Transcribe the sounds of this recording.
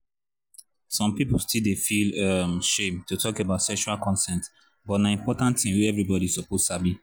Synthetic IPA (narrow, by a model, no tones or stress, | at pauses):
sɔ̃mpipʊlstildefilmʃẽmtutʰɔkebaʊtsɛkʃualkʰɔ̃nsɛ̃nt | bɔtnaĩmpɔtãntĩnwuɛvɹibɔɾisɔposabi